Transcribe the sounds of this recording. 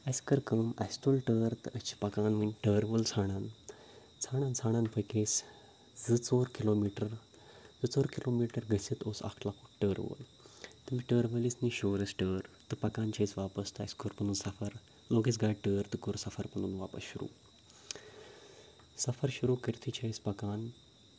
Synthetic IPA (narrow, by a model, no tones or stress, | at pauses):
əskəɾkəmɐst̪ulʈəːɾt̪ɨʔəst͡ɕi̥pɐkaːnʋəɲʈəːɾʋəlt͡sʰaɽ̃an | t͡sʰaːɽ̃ãnt͡sʰaɽ̃ãnpəjkes | d͡zɨt͡soːɾkilomiːʈəɾ | d͡zɨt͡soːɾkilomiʈəɾɡəsit̪oːsa̰kʰlakuʈəːɾʋə̰ːl | t̪ɨmiːʈəːɾʋəlisniɕoːɾəsʈəːɾt̪ɨpɐkant͡ɕʰajsʋapəst̪ʰaskoɾpənuːnsɐfəɾ | loɡeːsɡaʈəːɾt̪ɨkoːɾsɐfəɾpɐnuːnʋaːpə̰sɕuɾṵː | sɐfəɾɕuɾuːkəɾt̪ʰit͡ɕʰaispɐkaːn